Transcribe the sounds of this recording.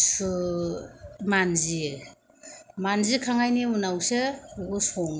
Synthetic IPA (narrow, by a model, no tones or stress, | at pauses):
s | manzie | manzikʰaŋajniunawseɡɔsɔŋ